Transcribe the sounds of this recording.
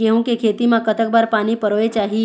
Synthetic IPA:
keɦũkekʰet̪imãkət̪ʰək̚baɾpaːñipəɾoʋet͡ʃaːɦi

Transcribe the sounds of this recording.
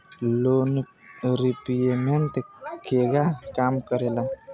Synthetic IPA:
lon | ɾipijement̪ekʰeɡakaːmkəɾela

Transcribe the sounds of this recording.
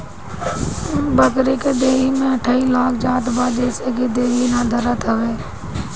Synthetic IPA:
ʊnbəkɾiːked̪eːɦiːmẽːəʈʰaːiːlaːkʰd͡ʒaːt̪baːd͡ʒeːseːkeːd̪eːɦiːnaːd̪ʱəɾət̪ʰəʋeː

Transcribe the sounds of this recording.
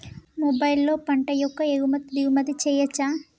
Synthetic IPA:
mobɐjlːo̞ːpɐɳʈɐjɔkːɐeɡumɐt̪d̪iɡumɐd̪it͡ʃɛːjɐt͡ʃːaː

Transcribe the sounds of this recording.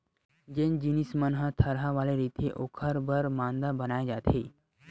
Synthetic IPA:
d͡ʑend͡ʑinismənɦət̪ʰəɾɦaʋaleɾit̪ʰeʔokʰəɾbəɾmand̪abənajd͡ʒat̪ʰe

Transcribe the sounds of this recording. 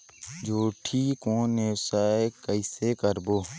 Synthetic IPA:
d͡ʒoːʈʰiːkõːneːsaːekəɪseːkəɾboː

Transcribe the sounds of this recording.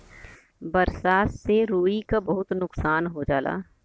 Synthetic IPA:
bɐɾsaːsseɾoːikabɐɦʊt̪nʊksaːnɦod͡ʒaːla̰ː

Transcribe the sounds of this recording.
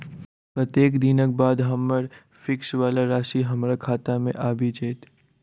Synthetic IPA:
pɾət̪jeːkd̪ɪnək̚baːd̪ɦɐmːəɾ | fɪksʋaːlaɾaːʃiɦɐmɾakʰaːt̪amḛ̃ʔaːbʱid͡ʒeːt̪

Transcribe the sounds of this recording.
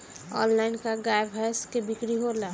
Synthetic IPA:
ɔ̰ːnlaɪnkaɡaːebɦɛjskebɪkɾiɦola

